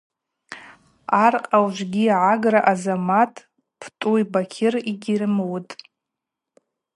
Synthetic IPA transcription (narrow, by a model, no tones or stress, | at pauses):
arqʼawʒʷɡʲiʕaɡraʔazamatʰʼ | pʰtʼuibakʲʰɪriɡʲirɨmwtʼ